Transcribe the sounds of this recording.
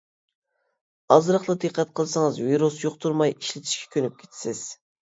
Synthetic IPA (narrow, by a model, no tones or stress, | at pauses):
ɑzɾɑχlˠɑd̪ɨqʰːɛt̪̚qʰəlˠsɨŋɨzviɾusjoqt̪ʰuɾmɑjiʃlɪt̪ʰi̥ʃkʲʰɛ̥kʲʰønyp̚kʲʰe̥t̪ʰsɪz̥